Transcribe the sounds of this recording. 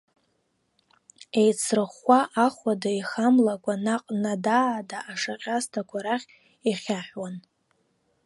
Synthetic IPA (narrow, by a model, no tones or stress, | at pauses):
ejt͡sʰrɨχaʔaχʷadaiχamlakʷʼanaqʼnadaːdaʔaʂaqʲʼastʰakʷʰaɾaχʲ | iχʲaħwan